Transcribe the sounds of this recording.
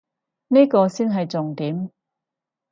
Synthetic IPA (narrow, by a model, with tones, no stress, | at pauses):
niː˥kɔː˧siː˥nɦɐ˨jt͡sʊ˨ŋt̪iː˨˥m